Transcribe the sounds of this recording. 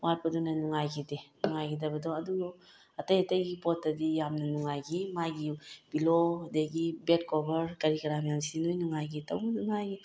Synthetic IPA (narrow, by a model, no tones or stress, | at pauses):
waɾ̚padunanuŋajɡidenuŋajɡidabɐdɔwadu | atajatajɡipɔtːadijamnanuŋajɡimaɡibilodeɡibet̚kobəɾkaɾikaɾamjamsinujnuŋajɡita̰wdunuŋajɡi